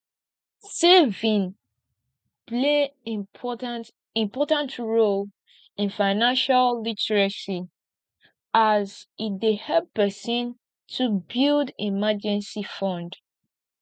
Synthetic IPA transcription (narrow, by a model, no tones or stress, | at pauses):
sevĩn | pleɔnt | ĩmpɔtãntɹol | ĩnfaɪnãnʃallitɛɹasi | azidehɛppɛsĩn | tʰubildimad͡ʒɛ̃nsifɔ̃nd